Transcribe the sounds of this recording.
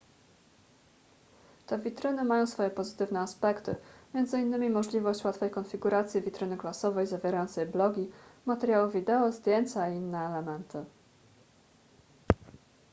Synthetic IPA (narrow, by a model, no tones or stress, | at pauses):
t̪ɛvʲit̪ɾɘnɘmajɔ̃w̃sfɔjɛpɔzɘt̪ɘvnɛaspɛkt̪ɘ̰mʲjɛnd̪zɘinːɘmʲimɔʐlʲivɔɕt͡ɕwat̪fɛjkɔnfʲiɡuɾat̪sʲjivʲit̪ɾɘnɘklasɔvɛjzavʲjeɾajɔnt̪sɛjblɔɡʲimat̪ɛɾʲjawuvʲid̪ɛɔzd̪ʲjenʲt͡ɕaiinːɛːlɛmɛnt̪ɘ